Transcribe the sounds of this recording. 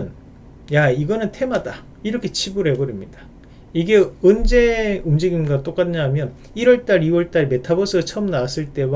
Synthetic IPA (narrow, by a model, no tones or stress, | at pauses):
n | jaiɡʌnɯntʰe̞mada | iɾʌkʰe̞t͡ɕʰibuɾɦe̞bʌɾimɲida | iɡe̞ɯnd͡ʑe̞ɯmd͡ʑiɡimɡat͈ok͈adɯɲɦamjʌn | iɾwʌɭt͈aɾiwʌɭt͈aɭme̞tʰabʌsʰɯt͡ɕʰʌmnas͈ɯɭt͈e̞wa